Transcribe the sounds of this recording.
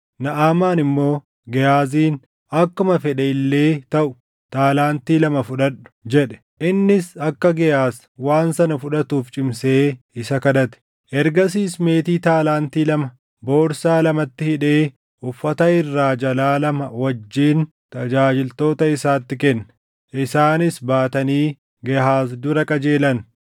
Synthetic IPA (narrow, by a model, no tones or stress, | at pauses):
nɐʔaːmaːnɪmːo̞ː | ɡɛjaːziːn | ɐkːʊmɐfɛᶑɛɪlːe̞ːt̪ɐʔʊ̥ | t̪aːlaːnt̪iːlɐmɐfʊᶑɐᶑʊ̥d͡ʒɛᶑɛ̥ | ʔɪnːɪsɐkːɐɡɛjaːs | waːnsɐnɐfʊᶑɐt̪uːft͡ʃʼɪmseː | ɪsɐkɐd̪ɐt̪ɛ̥ | ʔɛɾɡɐs̬iːsme̞ːt̪iːt̪aːlaːnt̪iːlɐmɐ | bo̞ːɾsaːlɐmɐt̪ːɪhɪᶑe̞ː | ʊfːɐt̪ɐɪrːaːd͡ʒɐlaːlɐmɐwɐd͡ʒːiːn | t̪ɐd͡ʒaːd͡ʒɪlt̪o̞ːt̪ɐɪsaːt̪ːɪkɛnː | ʔɪsaːnɪsbaːt̪ɐniː | ɡɛɦaːsd̪ʊɾɐkʼɐd͡ʒe̞ːlɐn